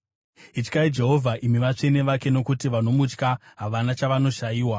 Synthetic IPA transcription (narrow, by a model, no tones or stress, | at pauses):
it͡ʃkaid͡ʒe̞ɦo̞vʱaʔimiʋat͡ʂe̞ne̞ʋake̞no̞kutiʋano̞mut͡ʃkaɦaʋanat͡ʃaʋano̞ʃajiːwa